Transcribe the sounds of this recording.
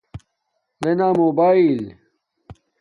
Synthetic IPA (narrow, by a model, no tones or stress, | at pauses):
lenamoːbaːil